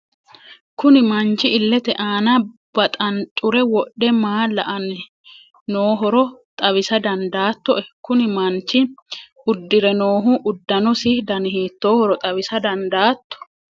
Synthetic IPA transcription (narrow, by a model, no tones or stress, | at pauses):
kʊnɪmɐnt͡ʃːɪɪlːɛt̪ɛʔaːnɐb̥ɐt̪ʼɐnt͡ʃʼʊɾɛwɔɗːɛmaːlɐʔɐn | noːɦɔɾɔt̪ʼɐwɪsɐd̪ɐnd̪aːt̪ːɔʔɛkʊnɪmɐnt͡ʃːɪ | ʊd̪ːɪɾɛno̞ːɦʊʔʊd̪ːɐnɔsɪhd̪ɐnɪhiːt̪ːoːhɔɾɔt̪ʼɐβɪsɐd̪ɐnd̪aːt̪ːɔ̥